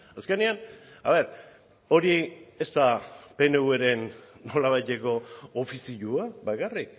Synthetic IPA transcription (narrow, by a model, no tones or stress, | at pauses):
aske̞niana̰βe̞ɾ | o̞ɾie̞st̪ape̞ne̞ue̞ɾe̞nːo̞laβ̞ajt̪e̞ko̞ːfisiʎuaβakarik